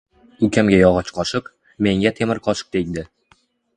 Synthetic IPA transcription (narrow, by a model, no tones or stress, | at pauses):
ʊkʲʰamɡʲajɒʁɑt͡ʃqʰɒʃɨq | me̞ŋɡʲat̪ʰemɪɾqʰɒʃɨ̥q̚d̪ejʲd̪ɪ